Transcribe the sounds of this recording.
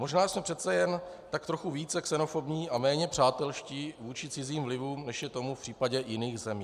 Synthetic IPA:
moʒnaːsmɛpr̥ɛt̪t͡sɛjɛn | t̪ak̚t̪ɾo̞xuviːt͡sɛksɛno̞fo̞bɲiːʔamɛːɲɛpr̝̥aːt̪ɛlʃciːvuːt͡ʃɪt͡sɪziːmvlɪvuːmnɛʃjɛt̪o̞mufpr̥iːpaɟɛjɪniːxzɛmiː

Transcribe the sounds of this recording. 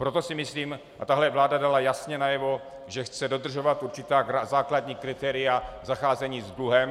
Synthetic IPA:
pɾo̞t̪o̞sɪmɪsliːm | ʔa̰t̪aɦlɛvlaːdadalajasɲɛnajɛvo̞ | ʒɛxt͡sɛdo̞d̪r̩ʒo̞vat̪ʔuɾt͡ʃɪt̪aːazaːkladɲiːkɾɪt̪ɛːɾɪjazaxaːzɛɲiːzd̪luɦɛm

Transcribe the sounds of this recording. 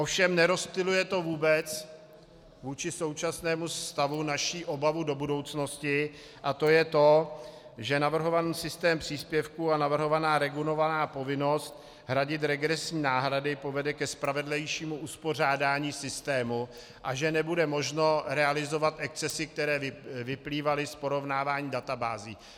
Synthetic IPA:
ʔofʃɛmnɛɾo̞st̪ɪlujɛt̪o̞vuːbɛt͡s | vuːt͡ʃɪso̞wt͡ʃasnɛːmust̪avunaʃiːʔo̞bavudo̞budo̞wt͡sno̞scɪ | ʔat̪o̞jɛt̪o̞ | ʒɛnavr̩ɦo̞vaniːsɪst̪ɛːmpr̥iːspjɛfkuanavr̩ɦo̞vanaːɾɛɡulo̞vanaːpo̞vɪno̞st̪̚ | ɦɾaɟɪt̪̬ɾɛɡɾɛsɲiːnaːɦɾadɪpo̞vɛdɛkɛspɾavɛdlɛjʃiːmuʔuspo̞r̝aːdaːɲiːsɪst̪ɛːmu | ʔaʒɛnɛbudɛmo̞ʒno̞ɾɛalɪzo̞vat̪ʔɛk̚t͡sɛsɪk̚t̪ɛɾɛːvɪpliːvalɪspo̞ɾo̞vnaːvaːɲiːdat̪abaːziː

